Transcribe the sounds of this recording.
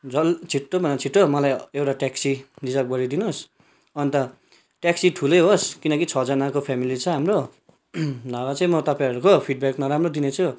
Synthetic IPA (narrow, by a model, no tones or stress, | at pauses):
d͡zʌlt͡sʰiʈːobʱʌnat͡sʰiʈːomʌlajewʈaʈaksidid͡zʌlp̚ɡʌɽid̪inos | ʌnt̪ʌ | ʈaksiʈʰulʌjɦoskinʌkit͡sʰʌd͡zʌnakopʰamilit͡sʌ̃ɦamro | nawat͡sʌĩmʌt̪ʌpãjʌɾukopʰiʈ̚baknʌɾamrod̪inet͡sʰu